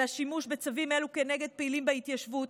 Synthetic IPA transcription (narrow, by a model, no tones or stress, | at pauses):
aʃimuʃbet͡savime̞luke̞ne̞ɡe̞d̪̚peilimbeit̪jaʃvu